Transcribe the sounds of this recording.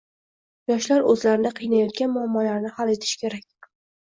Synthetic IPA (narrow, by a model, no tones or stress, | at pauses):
jɒʃlaɾɵzlaɾɪd̪aqʰɨjnajɒt̪̚ɡʲanmʊamːɒlaɾnɪhale̞t̪ʰɪ̥ʃkʲe̞ɾakʲ